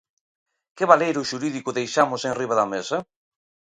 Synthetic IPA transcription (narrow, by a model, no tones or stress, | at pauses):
kɪβalejɾʊʃuɾiðikʊðejʃamʊsẽŋriβaðɐmesɐ